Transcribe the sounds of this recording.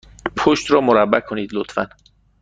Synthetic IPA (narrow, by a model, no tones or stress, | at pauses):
pʰoʃt̪ɾɒːmoɾæbːækʰoniːd̪lot̪fæ̰n